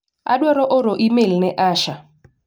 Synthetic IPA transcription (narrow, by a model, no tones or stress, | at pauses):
a̰ɗwɛɾɔʔɔɾoʔimelnɛʔaʃa